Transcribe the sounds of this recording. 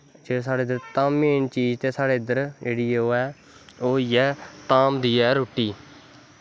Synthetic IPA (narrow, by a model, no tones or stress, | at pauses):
d͡ʒesaːɽeːd̪əɾt̪aːmːeːnt͡ʃiːd͡ʒt̪eːsaːɽeːɪd̪əɾd͡ʒeːɽiːoːɛː | oːjɛːt̪aːmd̪iːɛːɾoːʈiː